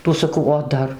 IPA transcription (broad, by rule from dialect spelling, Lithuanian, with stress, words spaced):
ˈtuː sɐˈkɐʊ oː ˈdɐr